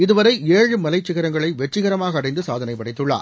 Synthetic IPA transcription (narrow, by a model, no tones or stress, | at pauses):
ɪðɯʋɐɾɐɪeːɻɯmɐlɐɪt͡ʃːɪɣɐɾɐŋɡɐɭɐɪʋɛʈrɪɣɐɾɐmaːɣɐːɽɐɪnd̪ɯsaːðɐnɐɪpːɐɽɐɪt̪ːɯɭːa̰ː